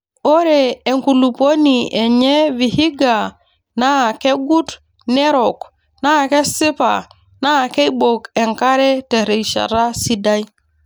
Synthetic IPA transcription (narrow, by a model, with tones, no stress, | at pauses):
o˦ɾe˨e˨ŋku˨lu˨po˦ni˨ʔe˨ɲe˦vi˨hi˦ɡa˨ | na˦˨ke˦ɡu˦t | ne˦ɾo˨k | na˦˨ke˦si˦pa̰˨ | na˦˨ke˦bo˨ke˨ŋka˦ɾe˦te˨ɾe˨iʃa̰˨ɾa˦si˦da˦j